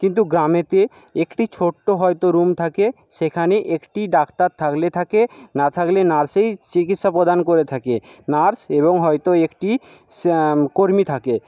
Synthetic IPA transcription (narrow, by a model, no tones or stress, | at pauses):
kint̪̬uɡɾamet̪e | ekʈit͡ɕʰoʈːoɦɔejt̪oɾumt̪ʰake | ʃekʰaneʔekʈiɖakt̪aɾt̪ʰːaklet̪ʰakenat̪ʰaklenaɾsejt͡ɕikit̪ʃapɾod̪ankoɾet̪ʰakenaɾseβoŋɦɔjt̪oekʈi | koɾmit̪ʰake